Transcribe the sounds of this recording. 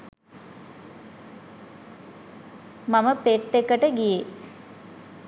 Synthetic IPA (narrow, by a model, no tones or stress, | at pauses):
maməpeʈːekəʈəɡije